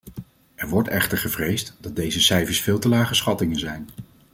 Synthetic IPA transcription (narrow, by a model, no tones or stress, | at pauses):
ʔɛɹʋɔɹtɛχtəɹχəvrejstdɑt̚dejzəsɛjvəɹsfɪːlˠtəlaːχəsχɑtɪŋənzɛjn